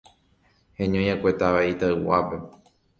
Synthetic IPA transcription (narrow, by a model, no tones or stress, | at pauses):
hẽɲõj̃akʷe̞t̪aʋait̪aɨwape̞